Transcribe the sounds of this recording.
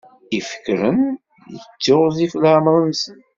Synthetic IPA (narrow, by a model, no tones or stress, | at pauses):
ifə̥kːɾən | jət͡sːoʁzifləʕmɾənsən